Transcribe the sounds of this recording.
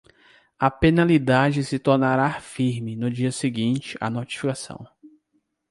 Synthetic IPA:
ɐpenalid̪ad͡ʒɪsɪt̪oɾnaɾafiɾmɪnʊd͡ʒiɐseɡĩt͡ʃɪʔɐ̰not͡ʃi̥fikasɐ̰̃w̃

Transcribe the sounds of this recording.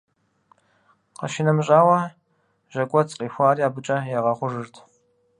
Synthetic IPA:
qɐ̰ʃɪnɐmɕʼaːwɐ | ʒ̥ɐkʷʼɔt͡sʼqʼiːxʷaːriaːbɨt͡ʃʼɐjaːʁɐχʷʊʐɨrtʰ

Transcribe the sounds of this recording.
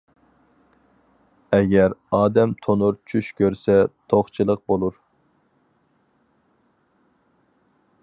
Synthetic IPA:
ɛɡʲɛɾɑːd̪ɛmt̪ʰonuɾt͡ʃʰyʃkʲøɾsɛt̪ʰoχt͡ʃʰɨlˠəq̚bolˠuɾ

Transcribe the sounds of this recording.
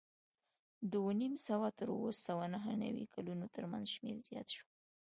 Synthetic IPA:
d̪əonimsawat̪əɾwosawanaɦəna̰wḭkʰalunot̪əɾma̰nzʃmeɾzjɑ̰t̪ʃo̥

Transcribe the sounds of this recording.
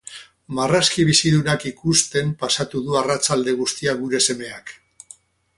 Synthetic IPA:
maraskiβisiðunakikust̪e̞mpasat̪uðuarat͡ʃald̪e̞ɣ̞ust̪iaɣuɾe̞se̞me̞ak

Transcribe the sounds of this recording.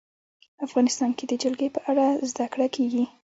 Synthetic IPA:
afɣɑnɪst̪ɑnked̪əd͡ʒalɡepəʔaɽazd̪akɽakʰeɡi

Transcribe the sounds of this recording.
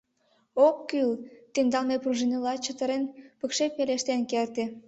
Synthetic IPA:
okːylt̪end̪ɑlmepruʒenʲəlɑt͡ɕət̪ə̆ɾenpəkʃepeleʃt̪enkert̪e

